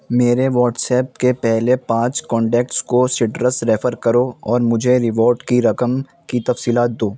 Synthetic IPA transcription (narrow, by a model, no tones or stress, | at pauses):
meːɾeʋɔːʈsɛːp̚kepɛɦlepãːt͡ʃkɔ̃ːɳʈɛːk̚ʈskosɪʈɾəsɾeːfəɾkɐɾoɔːɾmʊd͡ʒʱeɾɪʋoːɾʈkiɾɐkəm | kit̪ɐfsiːlaːt̪̚d̪oː